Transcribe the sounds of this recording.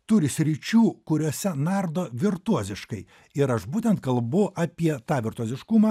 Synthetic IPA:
t̪ʊɾʲɪsʲɾʲɪt͡ʃʲuːkʊɾʲuɔːsʲɛnɑɾd̪oːʋʲɪɾt̪uɔzʲɪʃkɐɪ | ɪɾɐʃbuːt̪ʲɛnt̪̚kɐlˠbʊʔɑpʲiɛt̪ɑːʋʲɪɾt̪uɔzʲɪʃkʊmɑː

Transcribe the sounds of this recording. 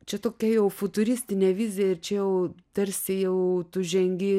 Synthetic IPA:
t͡ʃʲɛt̪oːkʲɛjɛʊfʊt̪ʊɾʲɪsʲt̪ʲɪnʲɛːʋʲizʲɪjɛɪɾt͡ʃʲɛjɛʊt̪ɐɾʲsʲɪjɛʊt̪ʊʒʲɛŋʲɡʲɪ

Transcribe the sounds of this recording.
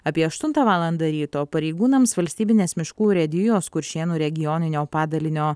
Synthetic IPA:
ɐpʲiɛɐʃt̪ʊnt̪ɐʋɑːlˠɐnd̪ɐɾʲiːt̪oːpɐɾʲɛɪɡuːnɐmsʋɐlʲsʲt̪ʲiːbʲɪnʲeːsmʲɪʃkuːɾʲɛd̪ʲɪjoːskʊɾʲʃʲeːnuːɾʲɛɡʲɪjɔːnʲɪnʲoːpɑːd̪ɐlʲɪnʲoː

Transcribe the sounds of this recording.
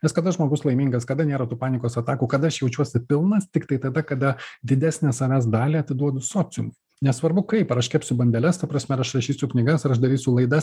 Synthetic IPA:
nʲɛskɐd̪ɐʒmoːɡʊslˠɐɪmʲiŋɡɐskɐd̪ɐnʲeːɾɐt̪uːpɑːnʲɪkoːsɐt̪ɑːkuːkɐd̪ɐɐʃjɛʊt͡ʃʲuɔsʲɪpʲɪlˠnɐst̪ʲɪkt̪ɐɪt̪ɐd̪ɐkɐd̪ɐd̪ʲɪd̪ʲæːsʲnʲɛsɐʋʲæːs̬d̪ɑːlʲiːɐt̪ʲɪd̪uɔd̪ʊsoːsʲɪjʊmʊ | nʲɛssʋɐɾbʊkɐɪpɐɾɐʃkʲɛpʲsʲʊbɐnʲd̪ʲɛlʲɛst̪ɐpɾɐsmʲɛɾɐʃɾɐʃʲiːsʲʊknʲɪɡɐsɐɾɐʃd̪ɐɾʲiːsʲʊlˠɐɪd̪ɐs

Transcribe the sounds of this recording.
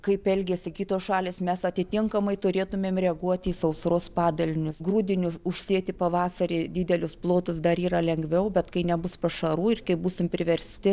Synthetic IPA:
kɐɪpɛlʲɡʲeːsʲɪkʲiːt̪oːsʃɑːlʲeːsmʲɛsɐt̪ʲɪt̪ʲɪŋkɐmɐɪt̪ʊɾʲeːt̪ʊmʲeːmrʲɛɐɡuɔt̪ʲiːsɐʊsɾoːspɑːd̪ɐlʲɪnʲʊsɡruːd̪ʲɪnʲʊsʊʃʲsʲeːt̪ʲɪpɐʋɑːsɐɾʲeːdʲɪːd̪ʲɛlʲʊsplˠoːt̪ʊsd̪ɐɾiːɾɐlʲɛŋɡʋʲɛʊbʲɛt̪kɐɪnʲɛbʊspɐʃɐɾuːɪrkɐɪbuːsʲɪmpʲɾʲɪʋʲɛɾʲsʲt̪ʲɪ

